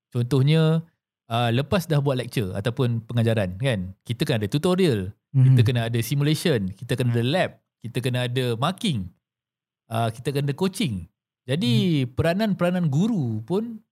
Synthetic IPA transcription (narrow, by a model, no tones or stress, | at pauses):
t͡ʃɔnt̪ɔhɲə̃ | ələpasdahbuat̪̚lɛk̚t͡ʃəa̰t̪awpʊnpəŋad͡ʒaɾankankit̪əkanadat̪ut̪oɾiəl | kiəkənaːdasimulesənkit̪akanadalɛp̚ | kit̪əkənaːdəmakɪŋ | əkit̪akanadəkot͡ʃɪŋ | d͡ʒadipəɾananpəɾananɡuɾupʊn